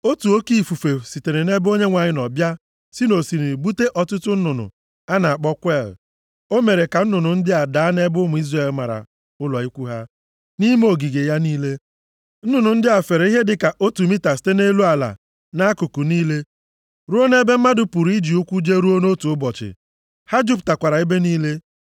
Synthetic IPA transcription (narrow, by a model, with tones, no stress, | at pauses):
o˦tu˨o˦ki˦˨fu˨fe˨si˨te˨ne˨ne˦bo˦ɲe˦ŋʷa˨ɲɪ˦nɔ˨bja˦ | si˦no˨si˨ni˨i˨bu˦te˦ʔɔ˨tʊ˦tʊ˦n̩˦nʊ˨nʊ̰˨ | a˦na˨a˨k͡pɔ˦kʷɛ˦˨l | o˦me˨ɾe˨ka˨n̩˦nʊ˨nʊ˨n̩˦dɪ˦a˨da˨˦a˦ne˦bʊ˦mʊ˨i˦zrae˨lma˨ɾa̰˨ | ʊ˦lɔ˨i˦kʷu˦ɦa˦ | ni˦m˦o˨ɡi˨ɡe˨ja˦niː˦le˦ | n̩˦nʊ˨nʊ˨n̩˦dɪ˦a˨fe˨ɾe˨˦i˦ɦe˦dɪ˦ka˨ʔo˦tu˨mi˦ta˨si̥˨˦te˦ne˦lu˦a˨la̰˨ | na˦kʊ˨kʊ˨niː˦le˦ | ɾu˦o˦ne˦be˦m̩˦ma˦dʊ˨pʊ˨ɾi˦d͡ʒi˨u˦kʷu˦d͡ʒe˦ɾu˦o˦no˦tu˨ʊ˦bɔ˨t͡ʃɪ̰˨ | ha˦d͡ʒu˦p̬ta˨kʷa˨ɾa˨i˦be˦niː˦le˦